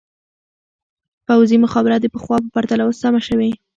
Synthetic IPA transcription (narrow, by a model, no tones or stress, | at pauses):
pawzimʊxɑbɪɾat̪̚d̪əpəxwɑpəpaɾt̪alawosamaʃəwi